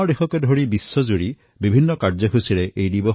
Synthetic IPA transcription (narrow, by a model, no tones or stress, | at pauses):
ɔdexɔkedʱoɹibisːɔzuɹi | bibʱinːɔkaɹd͡ʒɔkʰusiɾeʔejdibɔ